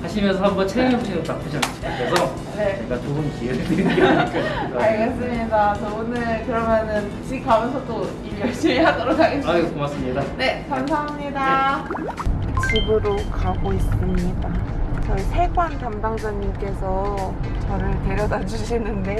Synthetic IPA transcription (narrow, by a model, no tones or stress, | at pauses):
kʰaɕʰimjʌnsʰʌhambʌnt͡ɕʰeŋeboɕʰinɯap͈ʰɯɕʰanat͡ɕʰi̥kʰak͈ʌsʰʌ | ne̞t͡ɕʌɡat͡ɕoɯmkiekeikʌsidaaɭɡes͈ɯmɲidat͡ɕʌonɯɭkɯɾʌmjʌnɯn | t͡ɕʰikamjʌnsʰʌt͈o | ijʌɭɕ͈imeɦadoɾokʰaɡet͡ɕaok͈omaks͈ɯmɲidane̞kamsʰaɦamɲida | t͡ɕibɯɾokaɡois͈ɯmɲidat͡ɕʌisʰe̞ɡwantamdaŋsʰaɲimk͈e̞sʰʌ | t͡ɕʌɾɯɭte̞ɾjʌdad͡ʑuɕʰinːɯnde̞